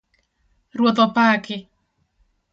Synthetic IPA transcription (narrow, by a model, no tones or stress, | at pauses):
rwot̪ɔpakɪ